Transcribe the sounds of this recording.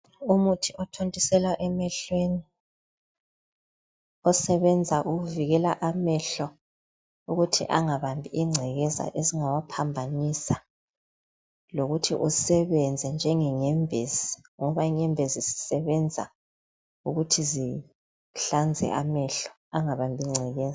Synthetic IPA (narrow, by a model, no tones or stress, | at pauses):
umutʰiʔɔtʰontʼisɛlwaʔɛmɛɬweni | ɔsɛβɛnd͡zʱaʔuɣuviɣɛlaʔamɛɬɔ | uɣutʰḭʔaŋaβambʱiiŋ͡ǀʱɛɣɛza̰ʔeziŋawapʰambʱanisa | loɣutʰḭʔusɛβɛnd͡zʱɛnd͡ʒʱɛŋɛŋɛmbʱezi | ŋɔβaiŋɛmbʱezisi̥sɛβɛnd͡zʱa̰ | uɣutʰizi | ɬand͡zʱɛ̰ʔamɛɬɔ̥ | aŋaβambʱiŋ͡ǀʱɛɣɛːza